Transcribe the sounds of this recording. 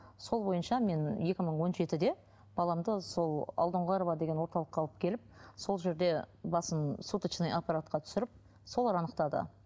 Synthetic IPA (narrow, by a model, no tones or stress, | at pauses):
so̞lˠbo̞jənʃɑme̞nje̞kʲɪməɴwo̞nʒe̞t̪ɪd̪e̞ | b̥ɑlˠɑmd̪əso̞lˠɑ̰lˠd̪əɴʁɑɾovɑd̪eɡʲenwo̞ɾt̪ɑlˠəqʰːɑlˠəp̚kʲʰe̞lɪp̚so̞lˠʒe̞ɾd̪e̞bɑsənsut̪ət͡ʃnejʔapːaɾat̪̚qɑt̪ʰʏ̥sɪɾɪp̚ | so̞lˠɑɾɑnəqt̪ɑd̪ə̰